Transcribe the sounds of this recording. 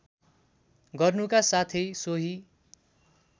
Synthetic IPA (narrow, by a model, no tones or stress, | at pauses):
ɡʌrnukasat̪ʰʌjsoɦi